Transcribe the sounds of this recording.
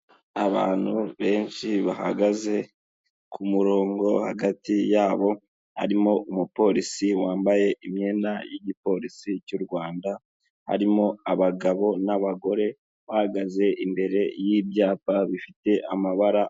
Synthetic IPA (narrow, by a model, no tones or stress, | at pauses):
aβa̰ːn̥huβe̞ːnʃiβaha̰ɡaze̞ | kʰumuɾo̞ːŋɡo̞haɡatijaːβo̞ | ha̰ɾimo̞umupo̞ɾisiwaːmbaje̞ʔimɲe̞ːnajiɟipo̞ɾisicuɾɡwaːnda | ha̰ɾimo̞aβaɡaβo̞naβaɡo̞ɾe̞ | βahaɡaze̞ʔimbe̞ɾe̞jiːbjaːpaβifite̞ʔamaβaɾa